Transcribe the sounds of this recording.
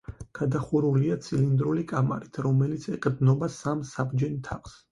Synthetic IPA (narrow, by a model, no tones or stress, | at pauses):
ɡ̥ad̪aχuɾuliat̪sʰilind̪ɾulikʼama̰ɾit̪ʰɾɔmɛlit̪sʰɛqʼɾd̪nɔbasamsabd͡ʒɛnt̪ʰaχs